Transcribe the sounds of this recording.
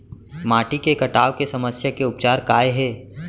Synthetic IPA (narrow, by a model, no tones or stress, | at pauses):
maːʈikekɐʈaːʋkesɐməsjakeʊpt͡ʃaːɾkaːeɦɛː